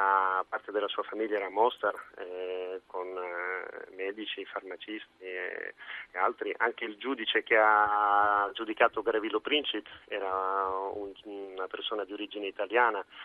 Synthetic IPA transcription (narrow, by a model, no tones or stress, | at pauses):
apart̪ed̪elasuːafamilːaɛɾamɔst̪arɛkon | mɛːd̪it͡ʃifarmat͡ʃist̪iḛealt̪ɾiʔaŋk̟eild͡ʒuːd̪it͡ʃek̟ea | d͡ʒud̪ikaːt̪oɡɾavilːopɾint͡ʃit̪ɛːɾaunːapersoːnad̪ioɾid͡ʒineit̪aljaːna